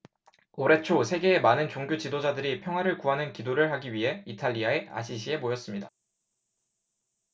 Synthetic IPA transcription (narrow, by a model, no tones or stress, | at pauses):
oɾe̞t͡ɕʰosʰe̞ɡe̞ːmanɯnt͡ɕoŋɡjot͡ɕidod͡ʑadɯɾipʰjʌŋɦwaɾɯɭkuɦanɯnkidoɾɯɭɦaɡiɥiɦe̞itʰaʎːiae̞a̰ɕʰiɕʰie̞mojʌs͈ɯmɲida